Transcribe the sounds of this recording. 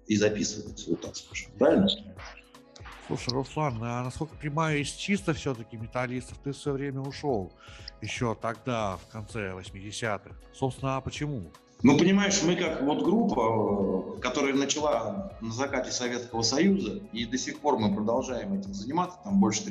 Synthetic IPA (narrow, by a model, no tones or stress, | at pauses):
izɐpʲisəvət̪ʲtʲso̰t̪ːak̪spaʂɨmpɾavʲɪlʲnəst̪ʲ | slˠṵʂəjrʊslˠanːnɐsko̞lʲkə̥pənʲɪmajʊɪsʲt͡ɕist̪əfsʲot̪əkʲɪmʲɪt̪ɐlʲist̪əft̪ɨfsvɐjovɾʲemʲəʊʂo̞lˠjɪɕːo̞t̪ɐɡ̚d̪afkɐnt̪sɛvəsʲmʲɪdʲɪsʲat̪ɨxso̞psʲɪnəɐpət͡ɕɪmu | nupənʲɪmajɪʂmɨkakvo̞t̪ɡɾupːə | kɐt̪o̞ɾəjənət͡ɕɪlˠanəzɐkatʲɪsɐvʲe̞t̪skəvəsɐjuzəid̪əsʲɪxpo̞rmɨpɾəd̪ɐlˠʐajɪmɛtʲɪmzənʲɪmat̪sə̥t̪ambo̞lʲʂə̥t̪